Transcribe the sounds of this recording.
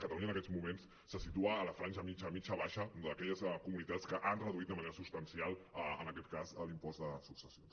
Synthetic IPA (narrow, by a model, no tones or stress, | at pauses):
kət̪əluɲənəkɛzmumens | səsit̪uəːləfɾanʒəmit͡ʃəmit͡ʃəβaʃəd̪əkɛʎəskumunit̪at͡skəʔanrəðuit̪d̪əməneɾəsust̪ənsialˠəə̰nəkɛt̪kazəlimpɔzd̪əsuksəsions